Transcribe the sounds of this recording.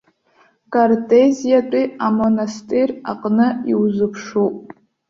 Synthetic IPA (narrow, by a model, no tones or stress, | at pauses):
kʼartʼezijatʷʼiamonastʼira̰qʼnɨiwzɨpʰʂupʼ